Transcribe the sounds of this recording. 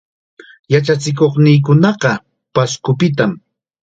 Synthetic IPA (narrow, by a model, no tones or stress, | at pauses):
jat͡ʃat͡sɪkoχnɪjk̬ʊnɑqɑ | paskʊpɪt̪am